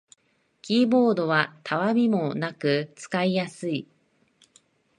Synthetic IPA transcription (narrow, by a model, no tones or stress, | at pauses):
kʲiːbo̞ːd̪o̞βat̪ʰaβamʲimo̞nakɯ̟t͡sɨ̥kaijasɨi